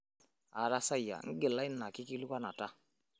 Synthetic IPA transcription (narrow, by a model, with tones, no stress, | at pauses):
a˨ɾa˦sa˦ja̰˨ŋ̩˦ɡɪ˨la˦ɪ˦nːa˨kɪ˦ki˦lu˦ka˦na˨ta˦